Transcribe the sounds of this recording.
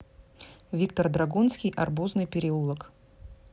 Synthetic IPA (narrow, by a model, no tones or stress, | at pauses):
vʲikt̪ərd̪ɾaɡunskʲijʔɐrbuznɨjpʲɪɾʲɪulˠək